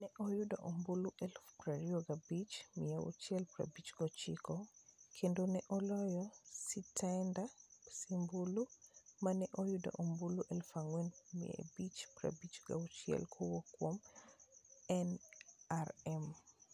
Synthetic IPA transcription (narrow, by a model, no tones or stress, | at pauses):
nɛʔɔjudaʔombuluʔɛlpɾaɾioɡabit͡ʃmiɛwṵt͡ʃiɛlpɾa̰bit͡ʃɡɔt͡ʃikɔkʰendonɛʔɔlɔjɔsitʰandasimbulumanɛʔojuda̰ʔombuluʔɛlfaŋwɛnmḭɛ̰bit͡ʃpɾa̰bit͡ʃɡa̰ut͡ʃiɛ̰lkʰuwɔkwom | ɛnaɾɛm